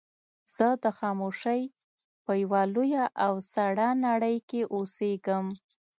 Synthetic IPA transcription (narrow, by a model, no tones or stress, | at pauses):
z̥əd̪əxɑmoʂəj | pəjawalojaʔawsaɽanaɽəjkeʔoseɡəm